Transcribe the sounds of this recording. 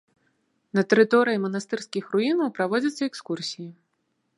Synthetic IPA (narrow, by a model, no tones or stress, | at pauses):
nɐt̪ɛɾɨt̪ɔɾɨjimɐnast̪ɨrskʲixruinɐwpɾavɔd͡zʲɐt̪sːɐɛkskursʲiji